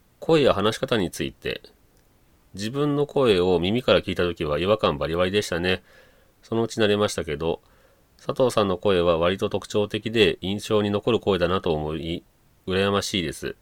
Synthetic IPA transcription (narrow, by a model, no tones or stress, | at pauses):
kʰo̞e̞jahanaɕi̥kat̪aɲ̟it͡sɨit̪e̞̰ | d͡ʑibɯ̟̃nːo̞kʰo̞e̞o̞mʲimʲikaɾakʲiːt̪at̪o̞kʲiβ̞aiβakãmbaɾʲiβaɾʲid̪e̞ɕi̥t̪ane̞ | so̞no̞ɯ̟t͡ɕinaɾe̞maɕi̥t̪ake̞d̪o̞ | sat̪o̞ːsãnːo̞ko̞e̞β̞aβaɾʲit̪o̞t̪o̞kɯ̟̥t͡ɕo̞ːt̪e̞kʲid̪e̞ĩɰ̃ɕo̞ːɲ̟ino̞ko̞ɾɯ̟ko̞e̞d̪anat̪o̞ːmoi | ɯ̟ɾajamaɕiːd̪e̞sɨ̰